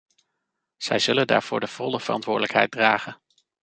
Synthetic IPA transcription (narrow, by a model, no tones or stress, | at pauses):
z̥ɛjzɵlənda̰ːɹv̥ʊːɹdəv̥ɔlˠəv̥ərɑ̰ntʋʊːɹdələkɦɛjt̚draːχən